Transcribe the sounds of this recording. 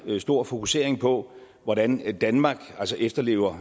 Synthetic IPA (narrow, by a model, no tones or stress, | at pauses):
sd̥o̝ɐ̰fo̝kʰu̥se̝̰ɐ̰e̝ŋpʰɒ̽ | ʋɒɾ̥ænd̥ænmɑ̈ːɡ̥ælsəʔefd̥ɐle̝̰ːʊɐ